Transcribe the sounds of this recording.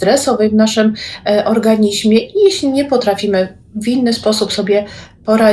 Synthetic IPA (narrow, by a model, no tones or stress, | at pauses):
t̪ɾɛsɔvɛvnaʂɘmʔɔɾɡaɲiʑmʲjɛʔijɛɕlʲiɲɛpɔt̪ɾafʲimɘ | vinːɘspɔsupsɔbʲjɛpɔɾa